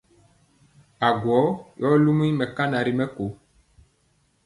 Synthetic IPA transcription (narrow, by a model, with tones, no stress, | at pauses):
a˨ɡwɔ˨˦jɔ˦lu˦mũ˦i˦mɛ̃˨ka˦nã˨ɾi˨mɛ̃˦ko˨